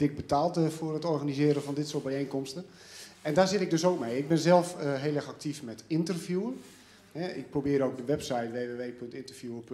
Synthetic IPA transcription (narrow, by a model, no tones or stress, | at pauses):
dɪk̚bətaːlˠtfʊərətɔranizɪːɾəvɔndɪtsoːt̚bɛjejnkɔmstə | ɛndaːzɪtɪɡ̚døsoːk̚mejɪɡ̚bɪnzɛlˠfɦeːlˠɛxak̚tʰifmɛtɪntərvjuən | hɛɪ̰k̚probɪːɾowk̚dəʋɛpsajtʋeːʋeːʋeːpøntɪntərvjuəp